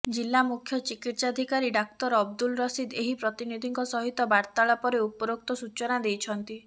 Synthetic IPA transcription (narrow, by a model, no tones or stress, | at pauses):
d͡ʒilːamukʰjɔt͡ʃikit̪sad̪ʱikaɾiɖak̚t̪ɔɾɔbd̪ulɾɔsid̪eɦipɾɔt̪inid̪ʱiŋkɔsɔɦit̪ɔbaɾt̪aɭapɔɾeupɔɾok̚t̪ɔsut͡ʃɔnad̪ejt͡ʃʰɔnt̪i